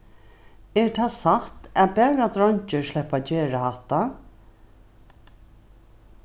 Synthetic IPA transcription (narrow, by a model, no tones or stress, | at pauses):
ɛɹt̪ʰaːsaht̪æbæːɹat̪ɾɔɲt͡ʃəʃlɛhpat͡ʃeːɹahaht̪ːa